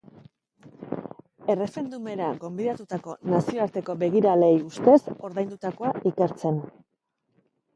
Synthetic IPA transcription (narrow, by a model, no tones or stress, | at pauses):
e̞re̞fe̞nd̪ume̞ɾaɡo̞mbiðat̪ut̪ako̞nasio̞aɾt̪e̞ko̞be̞ɣ̞iɾale̞just̪e̞so̞ɾðajnd̪ut̪ako̞aike̞ɾt͡se̞n